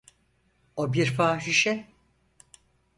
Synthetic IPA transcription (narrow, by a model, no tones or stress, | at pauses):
obiɾfaːʃiʃɛ